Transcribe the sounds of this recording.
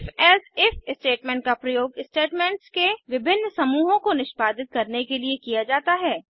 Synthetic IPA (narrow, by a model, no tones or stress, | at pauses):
fɛːsɪfɪsʈeːʈmɛ̃ːɳʈ̚kapɾɐjoːɡɪsʈeːʈmɛ̃ːɳʈskeʋɪbʱɪnːsɐmuːɦõkonɪʃpaːd̪ɪt̪̚kɐɾnekeliekijad͡ʒaːt̪aɦɛː